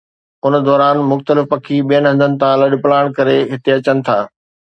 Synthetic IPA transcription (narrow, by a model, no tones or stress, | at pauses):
ʊn̆d̪ɔːɾaːnmʊxt̪əlɪfpɐkʰiɓijəñɦɐ̃nd̪ʱənɪ̆t̪ʰãlɐɗplaːɽ̃kɐɾeɦɪt̪eɐt͡ɕənɪ̆t̪ʰaː